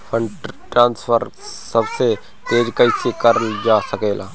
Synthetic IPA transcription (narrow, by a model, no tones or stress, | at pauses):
fʰə̃ɳɖʈɾãːnsfʰəɾ | səbse | t̪eːd͡ʒkəisekəɾəld͡ʒaːsəkeːla̰ː